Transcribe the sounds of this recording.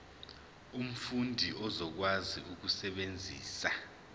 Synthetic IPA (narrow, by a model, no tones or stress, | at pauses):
um̩fundʱiʔɔzɔk̬wazḭʔuk̬usɛɓend͡zʱiːsa